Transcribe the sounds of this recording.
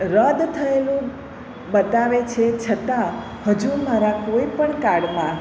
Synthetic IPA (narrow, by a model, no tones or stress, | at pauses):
ɾəd̪t̪ʰəelũ | bət̪aʋet͡ʃʰet͡ʃʰət̪a | həd͡ʒumaɾakoipəɳkaɽmã